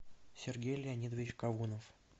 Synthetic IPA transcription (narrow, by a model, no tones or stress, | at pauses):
sʲɪrɡʲejlʲɪɐnʲid̪əvʲɪt͡ɕkɐvunəf